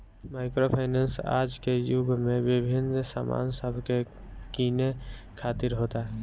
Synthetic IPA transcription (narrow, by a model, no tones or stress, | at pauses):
maːɪkɾopʰaːɪnensa̰ːd͡ʒkejubmẽbɪbʱɪnsa̰ma̰ːnsəbʱke | kiːnekʰaːt̪ɪɾɦoːt̪aɦɛ